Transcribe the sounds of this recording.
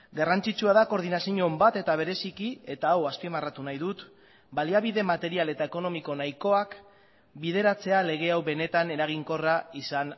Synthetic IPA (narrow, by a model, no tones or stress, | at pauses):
ɡarant͡sit͡ʃuaðako̞ɾðinasiɲo̞mbat̪e̞t̪aβ̞e̞ɾe̞sikie̞t̪aːwaspimarat̪unajðut̪ | baliaβ̞iðe̞mat̪e̞ɾiale̞t̪aeko̞no̞miko̞najko̞ak | biðe̞ɾat͡se̞ale̞ɣ̞e̞awβe̞ne̞t̪ane̞ɾaɣ̞iŋko̞raisan